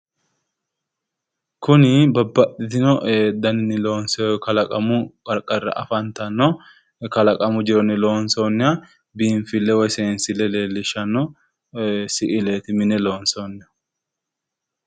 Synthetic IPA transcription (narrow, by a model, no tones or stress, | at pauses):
kʊnɪbɐbːɐɗɪt̪ɪnɔʔed̪ɐnɪnɪloːnskɐlɐkʼɐmʊkʼɐɾkʼːɐrːɐ̰ʔɐfɐnt̪ɐnːɔ | kɐlɐkʼɐmʊd͡ʒɪɾɔnɪlo̞ːnsoːnːɛɐ | biːɱfɪlːɛwɔjseːnsɪlɛle̞ːlːɪʃɐnːɔ | sɪʔɪleːt̪ɪmɪnɛlo̞ːnsoːnːɛ